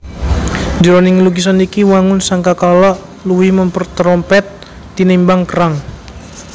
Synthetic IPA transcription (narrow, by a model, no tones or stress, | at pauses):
d͡ʒəɾonɪŋluɡis̬ɔnikiwaŋʊnsaŋkakalɔʔ | luwɪhməmpərt̪ɾɔmpɛt̪ː | inimbaŋkəɾaŋ